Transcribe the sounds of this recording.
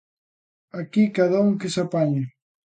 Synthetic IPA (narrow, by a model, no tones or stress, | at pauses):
akikaðauŋkesapaɲe